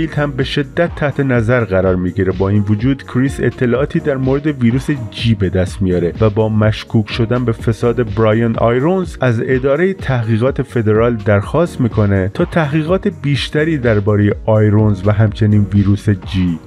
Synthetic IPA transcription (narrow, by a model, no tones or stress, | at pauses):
filt̪hæmbe̞ʃe̞d̪ːæt̪ʰːæht̪ʰe̞næzæɾɣæɾɒːɾmiːɡiɾebɒːiːnvod͡ʒuːd̪kʰɾise̞̰t̪ʰːe̞lɒːʔɒːt̪ʰiːd̪æɾmoːɾe̞d̪e̞viːɾuːsed͡ʒiːbed̪æst̪mijɒːɾe̞væbɒːmæʃkʰuːkʰʃo̞d̪ænbe̞fesɒːd̪e̞bɾɒːjonɒ̰ːjɾonzæze̞d̪ɒːɾe̞jet̪ʰæhɣiːɣɒːt̪ʰe̞fe̞d̪e̞ɾɒːld̪æɾxɒːst̪miːkʰo̞ne̞t̪ʰɒːt̪ʰæhɣiːɣɒːt̪ʰe̞biːʃt̪æɾiːd̪æɾbɒːɾejeʔɒːjɾonzvæɦæmt͡ʃʰe̞niːnviːɾuːsed͡ʒiː